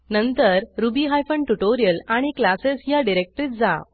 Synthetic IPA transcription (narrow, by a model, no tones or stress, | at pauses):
nə̃nt̪əɾɾubiɦajfəɳʈuʈoɾijəlaɽ̃iklasesjaɖiɾek̚ʈəɾiːt̪̚d͡za